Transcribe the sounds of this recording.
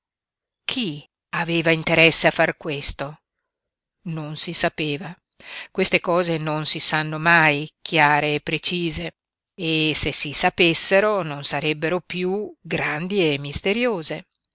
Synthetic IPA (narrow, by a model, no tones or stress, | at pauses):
kʰi | aveːvaint̪eɾɛsːeafːarkwest̪o | nonsisapeːva | kwest̪ekɔːzenonsisanːomajkʰjaːɾeːpːɾet͡ʃiːze | esesisapesːeɾononsaɾɛbːeɾopjuɡɾand̪iemːist̪eɾjoːze